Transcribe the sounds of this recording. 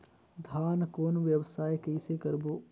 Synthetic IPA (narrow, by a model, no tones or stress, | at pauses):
d̪ʱaːnkoːnʋjəʋsaːjkeɪsekɐɾboː